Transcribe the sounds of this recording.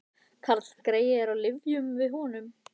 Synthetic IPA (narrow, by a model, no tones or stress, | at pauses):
kʰaɾt̪l̥kɾeːjɪɛɾawlɪvjʏmvɪðɦɔːnʏm